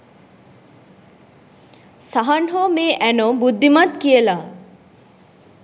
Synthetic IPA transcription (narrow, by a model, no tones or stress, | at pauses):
saɦanɦomeːʔænobud̪ʱːimat̪kijəla